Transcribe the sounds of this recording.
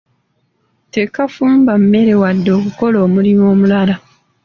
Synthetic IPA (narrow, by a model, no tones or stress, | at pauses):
te̞kafuːmbamme̞ɾe̞wadːo̞ːkuko̞lo̞ːmulimo̞ːmulala